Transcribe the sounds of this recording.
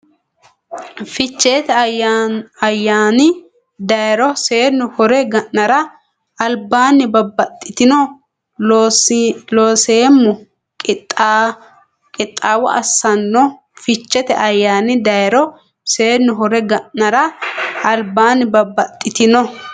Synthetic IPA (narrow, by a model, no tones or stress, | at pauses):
fɪt͡ʃːeːt̪ɛaɐjːaːnɪ | d̪ɐjɾɔseːnːʊhɔɾɛɡɐʔnɐɾɐ | ɐlbaːnɪbɐbɐt̪ʼːɪt̪ɪnɔ | loːseːmːʊ | k | kʼɪt̪ʼːaːwɔ̰ʔɐ̰sːɐnːɔ | fɪt͡ʃːɛt̪ɛʔɐjːaːnɪd̪ɐjɾɔ | se̞ːnːʊɦɔɾɛɡɐʔɐɾɐɐlbaːnɪbɐbːɐt̪ʼːɪt̪ɪnɔ